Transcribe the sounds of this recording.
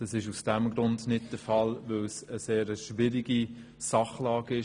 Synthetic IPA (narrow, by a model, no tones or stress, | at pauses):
d̥ɑsɪʃusd̥ɛmɡɾʊndnɪt̚d̥əfɑlʋɪlsəseːɾəʃvɪɾiɡi | sɑχlɑːɡɪ